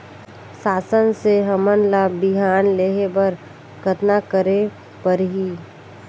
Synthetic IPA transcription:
saːsənseɦəmənlabɪɦaːnleːɦebəɾ | kət̪nakəɾe | pəɾɦiː

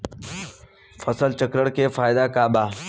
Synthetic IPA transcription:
fəsəlt͡ʃəkɾəɽkefaːɪd̪akaːbaː

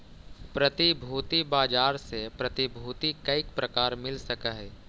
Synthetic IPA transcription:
pɾɐt̪ibʱuːt̪ibaːd͡ʒaːɾsepɾɐt̪ibʱuːt̪ikɐɪkpɾɐkaːɾmɪlsɐkaɦɛː

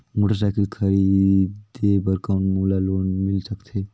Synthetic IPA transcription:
moʈəɾsajkilkʰəɾid̪ebəɾkaʊ̃nʈmulalonmilsəkt̪ʰe

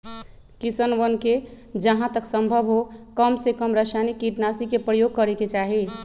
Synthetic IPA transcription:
kisənʋənke | d͡ʒəɦãt̪əksəmbʱəbʱɦokəmsekəmɾəsanikːiʈnasikepɾəjoɡ̚kəɾeket͡ʃaɦi

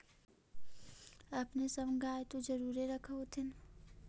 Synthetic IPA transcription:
ɐpnesɐmɡʱaːet̪od͡ʒɐɾuːɾeɾɐkʰot̪ʰɪn

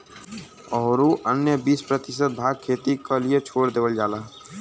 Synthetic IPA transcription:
ɔːɾuʔənjəbiːspɾət̪ɪsət̪̚bʱaːɡ̚kʰeːt̪ikəliet͡ʃʰoːɽd̪eːʋəld͡ʒaːlaː

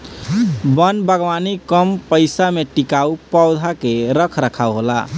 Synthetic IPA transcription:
bənbəɡwanikəmpəɪsameʈikaupəʊd̪ʱakeɾəkʰɾəkʰauɦola̰

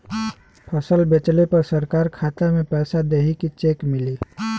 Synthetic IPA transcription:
pʰəsəlbet͡ʃlepɐɾsəɾkaːɾkʰaːt̪amẽpɛːsad̪eɦikit͡ʃeːkmɪliː

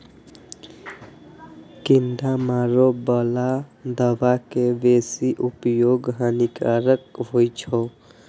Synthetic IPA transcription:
kind̪amaɾobəlad̪əʋakebesiʔupjoɡɦənikaɾəkɦojt͡ʃʰɔ

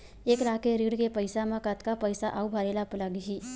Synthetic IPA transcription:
eklakeɾiɽkepəɪsamãkət̪kapəjsaʔaubʱaɾelapləɡɦi

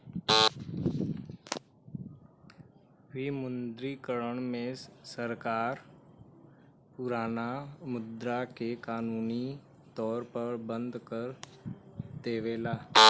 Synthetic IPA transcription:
ʋimʊnd̪ɾikəɾəɳ̃mẽsəɾkaːɾ | pʊɾaːnamʊd̪ɾakekaːnuːni | t̪ɔːɾpəɾbə̃nd̪kəɾ | d̪eːʋeːlaː

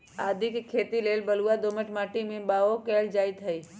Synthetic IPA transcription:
aːd̪ʱikekʰeːt̪ileːlbəluad̪oːməʈmaːʈimẽbaːokeːld͡ʒaːɪt̪ɦəi

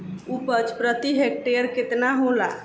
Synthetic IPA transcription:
upət͡ʃpɾət̪iɦek̚ʈeəɾkɪt̪naɦõla̰

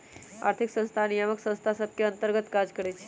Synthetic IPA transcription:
a̰ɾt̪ʰiksə̃st̪ʰanijəməksə̃ñst̪ʰasəb̚kjəənt̪əɾɡət̪kad͡zkəɽet͡ʃʰi̥

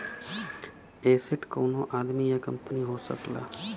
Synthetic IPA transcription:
eːsɪʈkoːnoʔaːd̪mijakəmpəniɦosə̰kla̰ː

